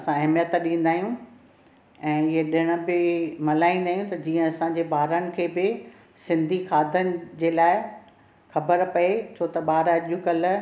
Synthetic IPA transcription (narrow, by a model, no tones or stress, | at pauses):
ɐsãɐɦɪmjət̪ɗĩːn̆d̪aːijũ | ɛ̃ːɪɦeɗɪɽ̃ə̆bɪmɐlaːĩːn̆d̪aːɦjũt̪ɐd͡ʑiːə̃ɐsãɲd͡ʑeːbaːɾənɪ̆kʰeːbɪ | sɪ̃nd̪ʱixaːd̪ʱənɪ̆d͡ʑeːlaːɪ | xɐbəɾpɐet͡ɕʰoːt̪ɐɓaːɾɐʄũkɐl